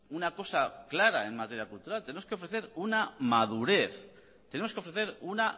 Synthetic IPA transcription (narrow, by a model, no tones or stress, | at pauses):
unako̞saklaɾae̞nmat̪e̞ɾjakult̪uɾalt̪enemoskeo̞fɾe̞θe̞ɾunamaðuɾe̞θ | t̪enemoskeofɾe̞θe̞ɾuna